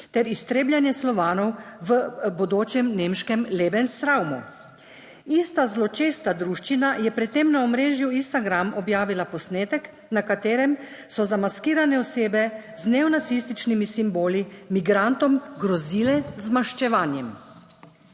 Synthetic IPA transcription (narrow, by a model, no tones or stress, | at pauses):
t̪ɛɾist̪ɾeːbljanjɛslɔʋaːnɔwʋəbɔd̪oːt͡ʃɛmneːmʃkɛmleːbɛnsɾawmṵ | iːst̪azlɔt͡ʃeːst̪ad̪ɾuʃt͡ʃinajɛpɾɛt̪t̪ːemnaɔmɾeːʒjuinst̪aɡɾamɔbjaːʋilapɔsneːt̪ɛk | nakat̪eːɾɛm | sɔzamaskiːɾanɛɔseːbɛznɛɔnat̪sist̪it͡ʃnimisimboːlimiɡɾant̪ɔmɡɾɔziːlɛzmaʃt͡ʃɛʋaːnjɛm